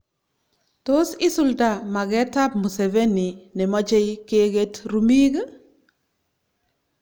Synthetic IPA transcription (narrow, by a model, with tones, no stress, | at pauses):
to˦si˦su˨lda˨ma˨ɡɛ˦ta˦p̚mu˨se˨ve˦ni˨nɛ˨mɔ˦t͡ʃe˦jke˦ɡe˦tɾu˨mi˦ɡ